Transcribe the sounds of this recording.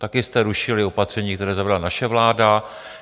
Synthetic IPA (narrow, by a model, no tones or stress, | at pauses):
t̪akɪst̪ɛɾuʃɪlɪo̞pat̪r̝̥ɛɲiːkt̪ɛɾɛːzavɛdlanaʃɛvlaːda